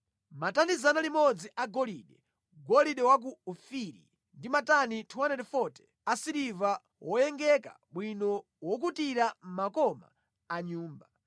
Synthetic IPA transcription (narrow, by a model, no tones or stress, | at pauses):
matanizanalimɔd͡ziʔaɡɔliɗɛ | ɡɔliɗɛwak̬uːfiɾi | ndimatanitʰuwanɛɾɛfɔtɛ̥ | asiɾiva | wɔjɛŋɡɛka̰ɓwinɔ | wɔk̬utiɾam̩makɔma̰ː | ɲuːmba